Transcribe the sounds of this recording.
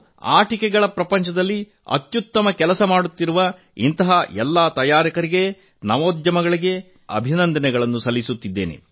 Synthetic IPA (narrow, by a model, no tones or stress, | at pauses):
a̰ːʈikɛɡɐɭɐpɾɐpɐɲt͡ʃɐd̪ɐlːi | ɐ̰t̪jut̪ːɐmɐkɛlɐsɐmaːɽut̪ːiɾuʋɐ | int̪ɐɦɐʔɛlːaːt̪ɐjaːɾikɐɾiɡe̞ | nɐʋoːd̪jɐmɐɡɐɭiɡe̞ | ɐ̰bʱinɐnd̪ɐnɛɡɐɭɐnːusɐlːisut̪ːid̪ːeːnḛ